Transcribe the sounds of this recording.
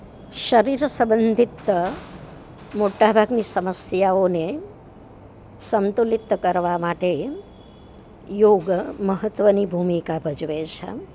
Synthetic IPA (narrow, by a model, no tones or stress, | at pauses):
ʃəɾiɾsəbənd̪ʱit̪ːə | moʈabʱaɡnisəməsjaone | səmt̪ulit̪kəɾʋamaʈe | joɡməɦət̪ːʋənibʱumikabʱəd͡ʒʋet͡ʃʰḛ